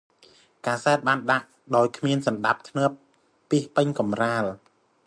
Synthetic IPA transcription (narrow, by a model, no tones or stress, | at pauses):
kaːsaɛt̪̚ɓaːnɗaʔ | ɗaɔjkʰmiənsɑnɗap̚t̪ʰnɨəpː | iəhpɨɲkɑmraːl